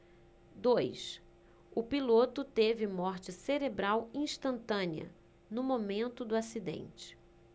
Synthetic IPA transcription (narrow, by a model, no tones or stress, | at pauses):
d̪ojs | ʊpilot̪ʊt̪evɪmɔɾt͡ʃɪseɾebɾawĩʃt̪ɐ̃nt̪ɐ̃niɐ̰ | nʊmomẽnt̪ʊd̪ʊasid̪ḛ̃nt͡ʃɪ̥